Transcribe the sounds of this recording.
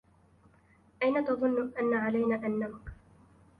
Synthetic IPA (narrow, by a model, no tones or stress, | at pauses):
ʔajnat̪ɑðˤʊnːʊʔanːaʕalajnaːʔanːamk